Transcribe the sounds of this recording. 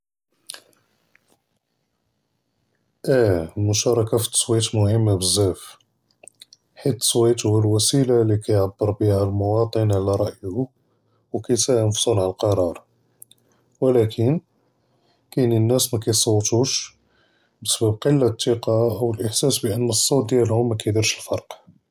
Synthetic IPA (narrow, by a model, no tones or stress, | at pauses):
ʔælmʊʃɑɾˤɑkafi̥t̪ːswit̪mʊhəmːabəzːæf | ħit̪ə̥swit̪huwælwæsilalikæjʕabːəɾbihælmʊwɑt̪ˤənʕlæɾˤɑʔjhu | wkæjsæʔənfsˤolʕaəlqɑɾˤɑɾˤ | wəlækʰən | kæninːæsmækæjsˤɑwːt̪uʃ | bəsbæbqəlːat̪ːiqɑʔəwəlʔəħsæsbəʔənːəsˤːɑwt̪̚d̪jælhʊmːækæjd̪əɾʃəlfɑɾˤq